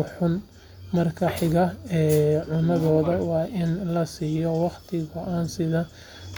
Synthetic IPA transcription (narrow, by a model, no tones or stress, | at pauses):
ħʊn | mɐrkʰɐħɪɣɐɛːʕʊnɐðɔːðɐwɑːʔɪnlɐsiːjɔwɑχt̪ʰɪɣɔʔaːnsɪðɐ